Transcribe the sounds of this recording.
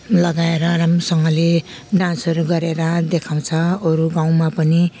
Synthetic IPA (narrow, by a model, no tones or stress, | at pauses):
lʌɡaeɾʌramrosʌŋɡʌle | ɖãnsʌɾuɡʌɾeɾʌd̪ekʰaw̃t͡sʰʌʌɾuɡãw̃mapʌni